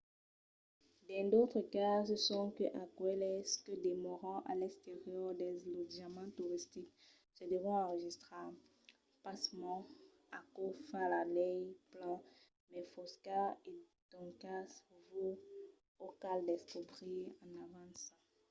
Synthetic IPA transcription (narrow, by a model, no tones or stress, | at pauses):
bɛ̃d̪ot̪χəkasəsɔ̃kəʔakwɛlɛskəd̪emɔʁɑ̃ʔa̰lɛkst̪eʁjɔʁd̪ɛzlodamãt̪uʁist̪ik | səd̪əvɛ̃ɑ̃ʁəʒist̪χa | pasmɑ̃ | akofɛ̃lalɛjplã | mɛfɔskae | d̪ɔ̃ŋkasvu | okald̪ɛskobʁiɑ̃navãsɑ̃